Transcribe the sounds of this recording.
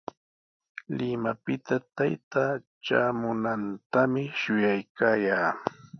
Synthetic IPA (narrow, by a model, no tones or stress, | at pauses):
lɪmapɪt̪at̪ajt̪aː | ʈ͡ʂaːmʊnant̪amɪʃʊjajkaːjaː